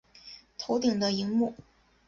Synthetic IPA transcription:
t̪ʰo˧˥ʊt̪i˨˩ŋd̪ə˦i˧˥ŋmu˥˩

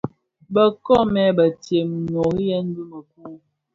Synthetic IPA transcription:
bə˨kɔ˦mɛ˦bə˨tje˨m˨no˨ɣi˦jɛ˦n̩˦du˦mə˨k̚u˦

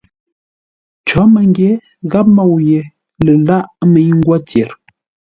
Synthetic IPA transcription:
t͡ʃɔ˨˦mə˨ŋ˦ɡje˨˦ | ɣa˦p̚mɔ˦˨wje˨ | lə˨la˦ʔmə˨˦ɲ˦ŋ̩˦ɡwa˦tje˨ɾ

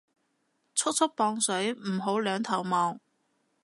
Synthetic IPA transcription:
t͡sʰʊ˥k̚t͡sʰʊ˥k̚pɔː˧ŋsɵ˨˥ɥm̩˨˩ɦo˨˥wlœː˨˧ŋt̪ʰɐ˨˩wmɔː˨˧ŋ

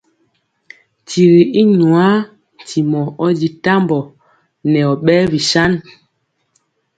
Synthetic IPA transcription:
tʰi˨ɾi˨i˦ɲu˨a˦˨ | tʰi˨mɔ˨ɔ˦di˨ta˦mbɔ˨ | nɛ˨ɔ˨ɓɛ˦vi˨sa˦n

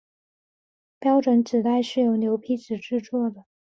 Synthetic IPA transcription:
pjɑ˥ʊʈ͡ʂwə˧˥nʈ͡ʂɻ̩˨˩t̪a˥˧ɪʂɻ̩˥˩jo˧˥ʊnjo˧˥ʊpʰi˥˩t͡sɹ̩˨˩ʈ͡ʂɻ̩˥˧t͡swɔ˥˩d̪ə˩

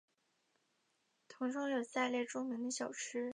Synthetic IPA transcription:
t̪ʰʊ˧˥ŋʈ͡ʂʰʊ˥ŋjo˨˩ʊsa˥˧ɪljɛ˥˩ɪʈ͡ʂʊ˥ŋmi˧˥d̪ə˧ɕjɑ˨˩ʊʈ͡ʂʰɻ̩˥

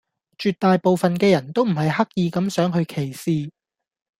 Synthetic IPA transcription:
t͡ʃyː˨t̪̚ːaː˨jpo˨˧wfɐ˨nkɛː˧jɐ˨˩nt̪o˥wm̩˨˩ɦɐ˨jhɐ˥k̚jiː˨˧kɐ˨˥msœː˨˥ŋɦɵ˧ɥkʰe˨˩jsiː˧

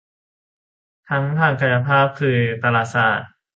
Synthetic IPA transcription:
t̪ʰa˦˥ŋt̪ʰaː˧˩ŋka˧˩ja˧pʰaː˥˩p̚kʰɯː˧t̪a˧laː˧˩t̪̚saː˧˩t̪̚

